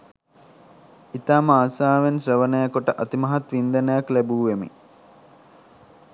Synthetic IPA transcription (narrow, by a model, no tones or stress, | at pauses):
it̪aːmaːsaːʋensrəʋənəjakuʈəʔat̪imɐɦat̪ʋind̪ənəjaklæbuːʋemḭ